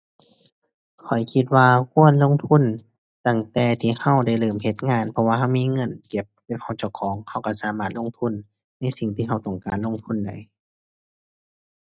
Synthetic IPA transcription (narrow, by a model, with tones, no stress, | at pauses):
kʰɔ˨˩jkʰi˧t̪̚waː˧kʰu˧˥˨ənlo˧˥˨ŋt̪ʰu˧˥˨n | t̪a˧˩ŋt̪ɛː˧˩t̪ʰiː˧˩ha˧˥˩wda˧˩˨jlɤː˨˩mhe˧˦t̪̚ŋaː˧˥˨npʰɔ˧waː˧ha˧˨wmiː˧˥˨ŋɤ˧˥˨nke˧˦p̚lɛː˧˥wha˧˩wt͡ɕa˧˩wkʰɔː˨˦ŋha˧˩wka˧˩saː˨˦maː˧˩t̪̚lo˧˥˨ŋt̪ʰu˧˥˨n | na˧˥˨jsi˨˩ŋt̪ʰiː˧˨ɦa˧˩wt̪ɔ˧˩ŋkaː˨nlo˧˨ŋt̪ʰu˧˥˨nda˨˩j